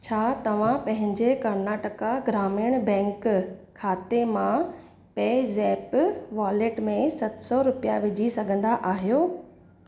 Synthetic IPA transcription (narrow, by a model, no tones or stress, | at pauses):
t͡ɕʰaːt̪ɐʋ̤ãpɐ̃ɦɪ̃ɲd͡ʑekɐɾnaːʈəkaɡɾaːmiɽ̃bɛ̃ːŋkkʰːaːt̪emã | peːzɛːpʋaːlɪʈmẽsɐt̪sɔɾʊpijaʋɪd͡ʑʱisɐɡʱə̃nd̪aʔaːɦijoː